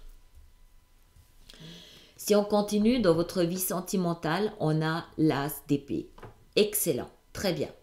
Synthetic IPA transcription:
siɔ̃kɔ̃t̪inyd̪ɑ̃vɔt̪χəvisɑ̃t̪imɑ̃t̪alɔ̃nalasd̪epḛ | ɛksɛlɑ̰̃ | t̪χɛbjɛ̰̃

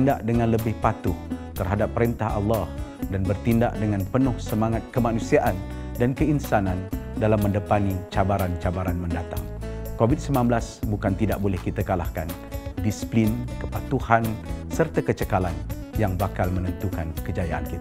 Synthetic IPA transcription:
ndaʔdəŋãnləbɪhpat̪ʊht̪ərɦadapːəɾint̪aɦa̰lːɑhdanbərt̪indaʔdəŋãnpənʊhsəmaŋat̪̚kəmanusiaʔan | dankəinsanandalamːə̃ndəpanit͡ʃabaɾant͡ʃabaɾanməndat̪a̰ŋkovit̪̚səmãnbəlasbukant̪ida̰ʔ̚bolɛhkit̪akalahkan | disi̥plinkəpat̪uhansərt̪akət͡ʃəkalan | jaŋbakalmənənt̪ukankəd͡ʒajaʔa̰nkit̪

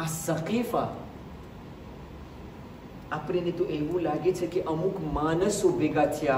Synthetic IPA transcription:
asəqifa | apɽ̃enet̪oʔeʋũlaɡet͡ʃʰekeʔəmukmanəsobʱeɡat͡ʃʰea

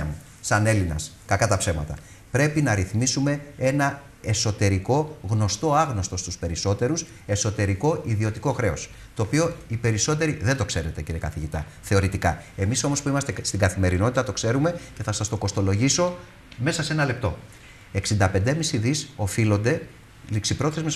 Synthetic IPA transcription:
ɐ̰mu | sɐne̞linɐ̰s | kɐkɐt̪ɐpse̞mɐ̰t̪ɐ̰ | pɾe̞pinɐɾiθmisume̞e̞nɐ | e̞so̞t̪e̞ɾiko̞ɣno̞st̪o̞ɐɣno̞st̪o̞st̪uspe̞ɾiso̞t̪e̞ɾus | e̞so̞t̪e̞ɾiko̞ʔiðio̞t̪iko̞xɾe̞os | t̪o̞ːpio̞ipe̞ɾiso̞t̪̬e̞ɾiðe̞nd̪o̞kse̞ɾe̞t̪e̞ciɾiekɐ̰θiʝit̪ɐ̰ | θe̞o̞ɾit̪ikɐ̰e̞miso̞mo̞spuimɐst̪e̞st̪iŋɡɐθime̞ɾino̞t̪it̪ɐt̪o̞kse̞ɾume̞ce̞θɐsɐst̪o̞ko̞st̪olo̞ʝiso̞ | me̞sɐse̞nɐle̞p̚t̪o̞̰ | e̞ksind̪ɐpe̞nd̪emisiðiso̞filo̞nd̪e̞ | liksipɾo̞θezmes

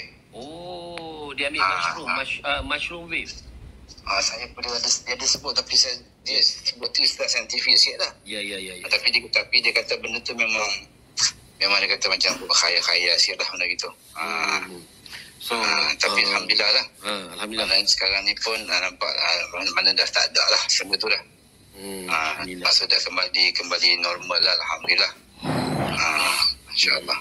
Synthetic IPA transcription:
o | diambɪlauaəmaʃɾuwif | asajapundiadasdiadasəbʊt̪̚t̪ːapis | diəsəbʊt̪̚t̪uist̪lahsajant̪ifiʔsiaʔlahjjt̪apidit̪apidiəkat̪abəndət̪umemaŋ | memãŋdaəkat̪amat͡ʃambbəkajakajasirlahməndaɡit̪u | ə | t̪apialɦamdilahlahmanansə̥kaɾaŋnipʊnənampa̰ʔəanmanadaht̪a̰daʔlahsənət̪ulah | əmaʔsuʔdahkəmbalikəmbalinɔrmalaalɦamdilah | əinʃa̰ʔə̰lˠːɑh

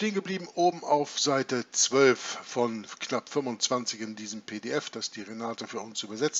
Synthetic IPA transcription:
ʃteːənɡəbliːbm̩ʔoːbm̩aʊfz̥aɪtət͡sv̥œlffɔnknapfʏmʊnt͡sv̥ant͡sɪçɪndiːzəmpʰeːdeɛfd̥asd̥iːʁenaːtəfyːɐʊnsyːbɐzɛt͡s

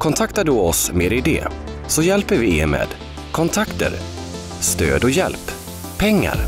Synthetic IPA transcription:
kʰɔnt̪ʰakt̪aɖɵɔsmeːɾɪd̪ɛ̰ː | sɔjɛlpəɾvɪeɾmḛːd̪ | kʰɔnt̪ʰakt̪ə̰ɾ | st̪ø̰ːd̪ɔjɛlp | pʰːɛŋːa̰ɾ

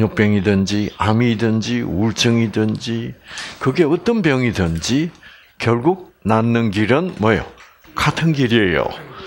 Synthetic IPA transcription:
ɲok̚p͈jʌŋidɯnd͡ʑiamidɯnd͡ʑiuɭt͡ɕʰɯŋidɯnd͡ʑikɯɡe̞ʌt͈ʌnbjʌŋidɯnd͡ʑi | kjʌɭɡuk̚ | nanːɯnɡiɾɯnmwʌjo̰ | katʰɯnɡiɾiejo̰

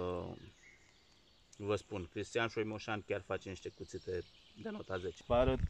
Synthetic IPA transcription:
vəspunkɾist̪ijanʃojmoʃankʲarfat͡ʃeniʃt̪ekut̪sit̪e | d̪enot̪azet͡ʃpaɾə

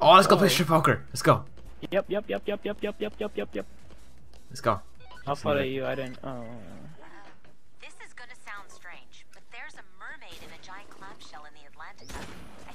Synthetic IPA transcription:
ʔolɛtsɡofɪt͡ʃəfoʊkə˞lɛtsɡ̥oʊ | jɛp̚jɛpjɛp̚jɛp̚jɛpjɛp̚jɛp̚jɛp̚jɛpjɛp̚ | lɛtsɡ̥oʊ | aɪθɔɾɨʉaɪɾɪdⁿn̩toʊ̰ | ðɪsɨzɡʌnɨsãʊ̃nd̥stɹ̥ẽɪ̃nd͡ʒb̥ʌt̪̚ðə˞zəmɜ˞meɪɾɨ̃nɨd͡ʒaɪɨ̃nkʰl̥ãmʃɛlˠə̃nðiɨtˡlæ̃ntɨk

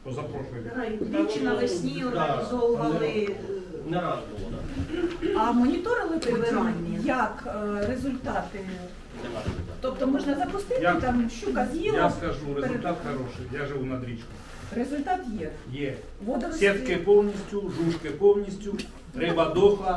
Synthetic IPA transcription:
p̪ɔzɐpɾɔʃʊj̪ʲʋʲit͡ʃɪnɐlˠɪsʲnʲijɔnd̪zɔlˠɐlˠɛnɪ | nɛɾad̪ɔbʊlˠɔd̪a̰ | ɐmɔnʲit̪ɔɾɪlˠɪpɪʋmʲijɐkɾezʊlʲt̪ɑt̪ɪmu | nɛʋa̰ʒt̪ɔp̚t̪ɔmɔʒnɐzɐpʊst̪ɪtjat̪amʃt͡ʃukɐzʲjilaɐskɐʒuɾet̪at̪xɐɾɔʃɪjjaʒɪʋunɐd̪ɾʲit͡ʃkɔ | ɾezʊlʲt̪ɑt̪jɛ | jɛ | ʋɔd̪ɔsʲɛt̪kɪpɔwnʲisʲtʲʊʒuʃkɪpɔwnʲisʲtʲʊ | ɾɪbɐd̪ɔxlˠɐ

